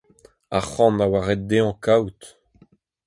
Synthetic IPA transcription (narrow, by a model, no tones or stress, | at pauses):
aχɑ̃nawaʁɛt̚d̪eɑ̃kʰawt̪